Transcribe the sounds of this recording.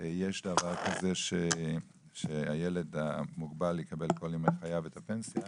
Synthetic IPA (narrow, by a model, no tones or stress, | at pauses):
jeʃdavaʁkazeʃe | ʃeajeledamuɡbalikabelko̞limeχajavethapensja